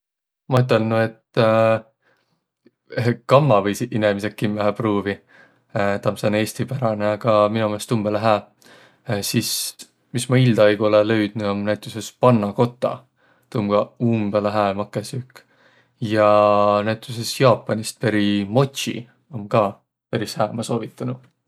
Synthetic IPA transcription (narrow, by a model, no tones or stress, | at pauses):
mɑyt̪ːˑelnue̞t̪ː | kɑmːɑvɤjsiʔinemisekːimːæɦæpruːvi | t̪ɑmsene̞ːsʲt̪ipæɾɑneɑɡ̥ɑminomest̪umbeleɦæː | sis | mismɑild̪ɑejɡ̥uolelø̞ɥd̪̥nuomnæjt̪ˑusespɑnːɑko̞t̪ˑːɑ̰ | t̪umɡ̥ɑumbeleɦæːmɑkːˑesyk | jɑnæjt̪ʲˑuse̞sjɑːpːˑɑnist̪̚peɾimo̞t̪ʲɕḭ | omkɑː | peɾishæːmɑso̞ːvit̪ːˑɑnu